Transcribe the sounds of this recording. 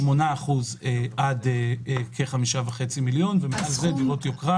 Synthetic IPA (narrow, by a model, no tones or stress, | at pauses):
mo̞naːχuzeʔadekʰeχamiʃavaχe̞t͡similjo̞nvemikozediotjokʁa